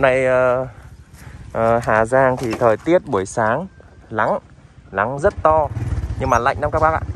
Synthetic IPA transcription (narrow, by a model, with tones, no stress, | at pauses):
na˧˨˩jəː˨˩ | ʔəː˨˩ɦaː˧˩zaː˧˩ŋt̪ʰi˨˩t̪ʰəː˨˩jt̪i˦˥ət̚ɓu˧˩əjsaː˨˦ŋla˨˦ŋ | la˨˦ŋzə˦˥t̚t̪ɔ˧ɲɨ˧ŋmaː˨˩la̰˧˨jŋ̟naː˧mkaː˦˥k̚ɓaː˦˥k̚a̰ː˧˨